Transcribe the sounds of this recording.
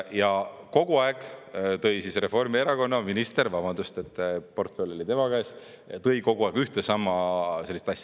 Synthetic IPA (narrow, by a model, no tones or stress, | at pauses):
jɑko̞ɡ̥uɑeɡ̥t̪ɤ̞jsisre̞fo̞rmie̞ɾɑko̞nːɑminist̪eɾvɑb̥ɑnd̪̥ust̪e̞t̪ːˑpo̞rt̪felʲːo̞lit̪e̞mɑkɑes | t̪ɤ̞jko̞ɡ̥uɑˑeɡ̥yht̪esɑmːɑse̞lːist̪ɑsʲjɑ̥